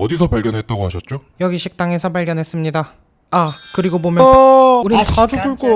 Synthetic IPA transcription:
ʌdisʰʌpaɭɡjʌnɦe̞t̚t͈aɡoɦaɕʰʌt̚t͡ɕ͈ojʌɡiɕʰik̚t͈aŋe̞sʰʌpaɭɡjʌnɦes͈ɯmɲidaː | kɯɾiɡobomjʌuɾiad͡ʑuɡuɭk͈o

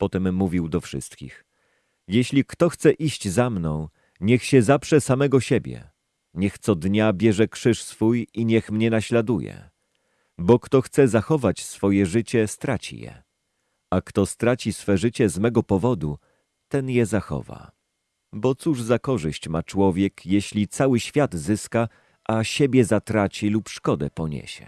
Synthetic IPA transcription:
pɔt̪ɛmːuvʲiwd̪ɔfʂɘ̰st̪kʲḭx | jeɕlʲikt̪ɔxt̪sɛʔiɕd͡ʑzamnɔ̰̃w̃ | ɲɛxɕɛzafʂɛsamɛɡɔɕebʲjɛ̰ | ɲɛxt̪sɔd̪ɲabʲjɛʐɛkʂɘʂsfujiɲɛxmɲɛnaɕlad̪ujɛ̰ | bɔkt̪ɔxt̪sɛzaxɔvat͡ɕsfɔjɛʐɘt͡ɕɛst̪ɾat͡ɕḭjɛ̰ | akt̪ɔst̪ɾat͡ɕisfɛʐɘt͡ɕɛzmɛɡɔpɔvɔd̪u | t̪ɛnjɛzaxɔ̰va̰ | bɔt̪suʐzakɔʐɘɕt͡ɕmat͡ʂwɔvʲjɛkjeɕlʲit̪sawɘɕfʲjad̪zɘska | ʔaɕebʲjɛzat̪ɾat͡ɕilupʂkɔd̪ɛpɔɲḛɕɛ̰

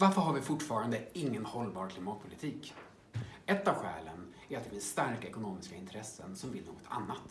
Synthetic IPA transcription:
vaɾfəɾɦaɾvɪfʊʈːfɑːɾand̪əɪŋːənhɔlbɑːɾkʰlɪmɑːt̪̚pʰʊlɪt̪ʰiːk | ɛt̪ːavɧɛ̰ːlən | æɾat̪̚d̪ɛfɪnsst̪aɾkaɛkʊnoːmɪskaɪnt̪ʰɾɛsːə̰nsɔmvɪlno̰ːɡɔt̪ʰa̰nːat̪

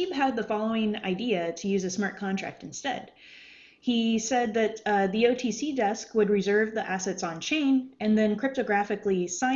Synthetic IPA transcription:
ib̚ɨd̪̚ðəfɑlˠoʊɪ̃ŋa̰ɪdiɨɾɨjʉzɨsmɑɹt̚kʰɑ̃ntɹ̥æ̰k̚tɨ̃n̩stɛ̰d̥ | isɛd̪̚ðɨt̪̚ðioʊtʰisidɛskwəd̚ɹɨzɜ˞vðiʔæsɛtsn̩t͡ʃʰẽɪ̃nɨ̃nðɨ̃nkʰɹ̥ɪp̚tɨɡɹæfɨklisãɪ̃

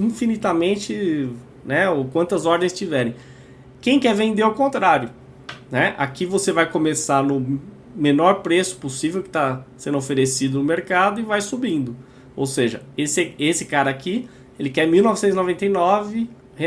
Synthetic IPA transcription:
ĩfinit̪amẽnt͡ʃɪ | nɛokwɐ̃nt̪ɐzɔɾd̪ẽj̃st͡ʃivɛɾẽj̃ | kẽj̃kɛɾvẽnd̪eawkõnt̪ɾaɾjʊ | nɛʔa̰kivosevajkomesaɾnʊ | menɔɾpɾesʊ̥posivewkɪ̥t̪asẽnd̪ʊofeɾesid̪ʊnʊmeɾkad̪ʊɪvajsubĩnd̪ʊ | o̰wseʒɐ̰esɪesɪkaɾɐaki | elɪkɛɾmiwnɔvɪsẽt̪ʊzinovẽnt̪ejnɔvɪ | he

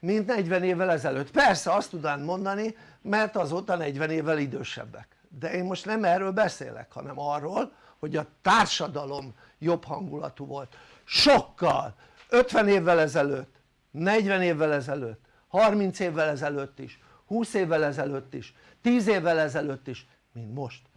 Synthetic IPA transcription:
mint̪nɛɟvɛneːvːɛlɛzɛløːt̪pɛrsɛɒst̪ud̪aːnmo̞nd̪ɒnimɛrt̪ɒzoːt̪ɒnɛɟʋɛneːvːɛlid̪øːʃɛ̰bːɛk | d̪ɛeːmmo̞ʃt̪nɛmɛːrøːlbɛsḛːlɛ̰khɒ̰nɛmɒrːoːl | ho̞ɟɒt̪aːrʃɒd̪ɒlo̞m | jo̞phɒŋɡulɒ̰t̪uvo̞lt̪ | ʃo̞kːɒ̰l | øt̪ʋɛneːvːɛlɛzɛløːt̪ː | nɛɟʋɛneːvːɛlɛzɛløːt̪ː | hɒrmint̪seːvːɛlɛzɛløːt̪ːḭʃ | huːseːvːɛlɛzɛløːt̪ːiʃ | t̪iːzeːvːɛlɛzɛløːt̪ːiʃ | mint̪mo̞ʃt̪

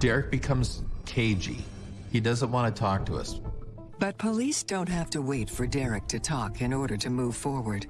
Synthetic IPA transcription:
d̥ɛɹɨk̚b̥ɨkʰʌ̃mz̥kʰeɪd͡ʒḭ | idʌzə̃nʔwɑ̃ntɨtʰɔk̚tʰəʌ̰s | b̥ʌt̚pʰəlisd̥õʊ̃nt̚ɦæftɨweɪtfə˞dɛɹɨk̚tʰɨtʰɔkʰɨ̃nɔɹɾə˞ɾɨmuv̥fɔɹwə˞d̥

